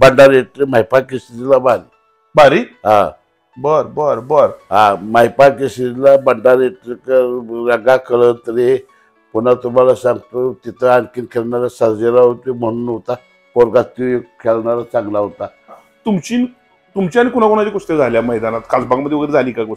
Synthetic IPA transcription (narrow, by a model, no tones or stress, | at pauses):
bəɳɖaɾeʈɾimajpakisitlabaɾ | baɾiɦã | bəɾbəɾbəɾɦãmajpakesilabəɳɖaɾeʈɾikəɾəɡakʰəɭənt̪əɾee | kunat̪um̤alasãŋɡt̪ot̪it̪ʰəaɽkiːnkʰelɳaɾasəɾd͡zeɾaɦot̪im̤əɽ̃uːnːowt̪a | koɾɡat̪ujekʰelɳaɾat͡sãŋɡlaɦot̪a | t̪umt͡ɕiːn | t̪umt͡ɕiañikun̤akuñat͡ɕaɡost̪ed͡zʱaljaməɦjd̪anat̪kʰad͡zbãɡməd̪ːjʋəɡɾed͡zʱaliːkakə